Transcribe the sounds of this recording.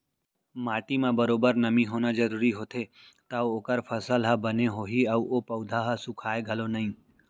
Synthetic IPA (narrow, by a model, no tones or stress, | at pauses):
maːʈimãbəɾoːbəɾnəmĩɦoːnad͡ʒəɾuːɾiɦoːt̪ʰe | t̪aooːkəɾfʰəsəlɦəbəneɦoːɦiɐuopəʊd̪ʱaɦəsukʰaːeɡʱəlonəɦĩː